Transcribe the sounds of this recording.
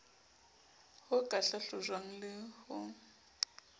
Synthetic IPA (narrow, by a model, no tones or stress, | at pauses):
hʊkʼaɬaɬʊzwaŋ̩lɪhʊ